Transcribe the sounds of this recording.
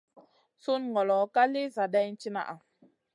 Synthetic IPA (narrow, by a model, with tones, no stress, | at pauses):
su˦nŋɔ˨lɔ˨˦ka˦le˦za˨da˦jn̩˦t͡ʃi˦na̰˨ʔa˨